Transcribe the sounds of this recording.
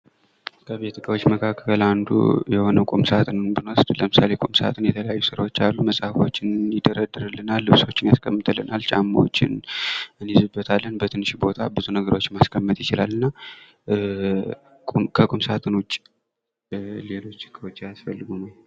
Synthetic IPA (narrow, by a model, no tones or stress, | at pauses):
kʰəβe̞t̪ʰɨkʰawot͡ʃːməkʰakʰːəland̪ṵjɛho̞nəwkʼumsat̪ʼɨnɨnbɨnost̪ʼləmɨsale̞kʼumsa̰t̪ʼɨnjɛt̪ʰələjajːusɨɾawot͡ʃːalːuməsʼahfo̞t͡ʃːɪnjɪd̪əɾəd̪ɨɾɨlːɨnːalːɨβso̞t͡ʃːɪnjaskʰəmːɨt̪ʰəlːɨnalt͡ʃʼa̰mːawo̰t͡ʃːɪ̰nʔɨnjizɨbːət̪ʰalːənbət̪ʰɨnːɨʃbo̞t̪ʰabɨzunəɡəɾo̞t͡ʃːmaskʰəmːət̪jɪt͡ʃɪlalːɨnːa | kʼkʰəkʼumsat̪ʰʼɨnwʊt͡ʃʼ | le̞lo̞t͡ʃːkʰːəwot͡ʃːjasfəlːɨɡunəw